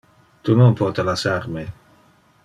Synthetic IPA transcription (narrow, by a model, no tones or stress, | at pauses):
t̪unonpɔt̪elasaɾme